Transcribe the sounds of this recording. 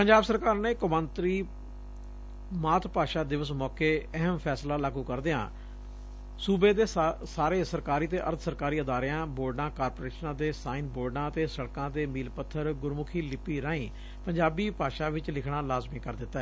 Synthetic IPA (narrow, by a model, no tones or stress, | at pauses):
pəɲd͡ʒaːbsəɾkaːɾneːkʊbə̃nt̪ɾiː | maːt̪ʰpaːʃaːd̪ɪʋəsmɔːkeːɛɦəmpʰɛːslaːlaːɡuːkəɾd̪ɪã̰ː | suːbeːd̪eːsaːɾeːsəɾkaːɾiːt̪eːʔə̰ɾt̪ʰsəɾkaːɾiːəd̪aːɾɪjãːboːɾɖãːkaːɾpoːɾeːʃnãːd̪eːsaːiːnboːɖãːt̪eːsəɽkãːd̪eːmiːlpət̪ʰːəɾɡʊɾmʊkʰiːlɪpiːɾãːĩː | pəɲd͡ʒaːbiːpaːʃaːʋɪt͡ʃlɪkʰɽaːlaːzmĩːkəɾd̪ɪt̪ːaɛː